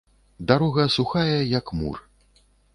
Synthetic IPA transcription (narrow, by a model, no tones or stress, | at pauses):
d̪aɾɔɣɐsuxajɛjɐkmṵr